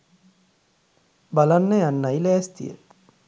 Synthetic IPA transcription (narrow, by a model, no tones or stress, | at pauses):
balanːəjanːajlɛːst̪ḭjə̰